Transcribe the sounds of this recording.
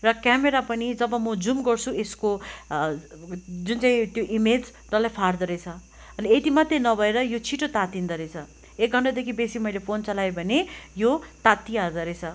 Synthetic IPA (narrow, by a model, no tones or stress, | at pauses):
rʌkameɾapʌnid͡zʌbʌmʌd͡zumɡʌrt͡sʰuesko | d͡zunt͡saĩt̪joʔimed͡z | ɾʌlajpʰard̪ʌɾet͡sʰʌ | ʌniet̪imat̪ːenʌbʱʌeɾʌjot͡sʰiʈot̪at̪ind̪ʌɾet͡sʰʌ | ek̚ɡʱʌɳʈad̪ekʰibesimʌijlepʰont͡sʌlajbʱʌnejot̪at̪ːiad͡zʌɾet͡sʰʌ